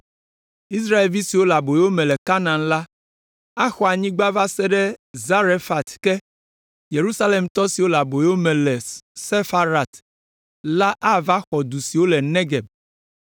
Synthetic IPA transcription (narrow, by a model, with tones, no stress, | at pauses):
i˦s̬ɾa˦e˨lvi˦si˨wo˦la˨bo˨e˦wo˦mɛ̃˨lɛ˨ka˦nã˨nla˦ | a˦xɔ˨a˨ɲĩ˦ɡ͡ba˦va˦sɛ˦ɖɛ˦za˦ɾe˦fa˨t̪kɛ˦ | je˨ɾu˦sa˦le˦mt̪ɔ˦si˨wo˦la˨bo˨e˦wo˦mɛ̃˨lɛ˨se˦fa˦ɾa˨t̪ | la˦ʔa˦va˦xɔ˨d̪u˨si˨wo˦lɛ˨nẽ˦ɡɛ˨b